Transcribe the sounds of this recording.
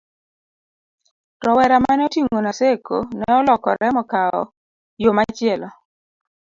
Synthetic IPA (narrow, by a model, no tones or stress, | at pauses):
tɔwɛɾamanotiŋonaseko̰nɛɔlɔkɔ̰ɾɛmɔkaɔ̰ | jomat͡ʃɪɛlɔ